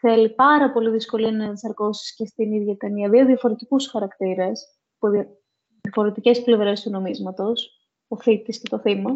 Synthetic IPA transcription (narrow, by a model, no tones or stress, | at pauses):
θe̞lipɐɾɐpo̞liðisko̞liɐnɐðisɐɾko̞si̥sce̞st̪iniðʝɐt̪ɐniɐðio̞ðiɐfo̞ɾe̞t̪ikusxɐɾɐkt̪iɾɐs | puð | ðjɐfo̞ɾe̞t̪ice̞sple̞vɾe̞st̪uno̞mizmɐt̪o̞s | oθit̪iscet̪o̞θimɐ